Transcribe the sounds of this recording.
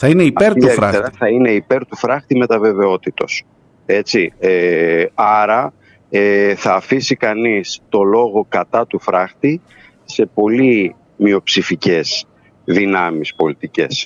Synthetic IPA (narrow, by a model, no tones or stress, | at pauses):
θɐineiɐpeɾt̪eɾeɾɐθɐine̞ipe̞ɾt̪ufɾɐxt̪ime̞t̪ɐve̞ve̞o̞t̪it̪o̞s | e̞t͡sieɐɾɐ | eθɐːfisikɐnist̪o̞lo̞ɣo̞kɐt̪ɐt̪ufɾɐxt̪i | se̞po̞li | mio̞psifice̞s | ðinɐmispo̞lit̪ice̞̰s